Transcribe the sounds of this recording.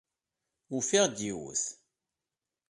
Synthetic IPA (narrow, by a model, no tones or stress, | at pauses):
ufiʁd̪jiwṵθ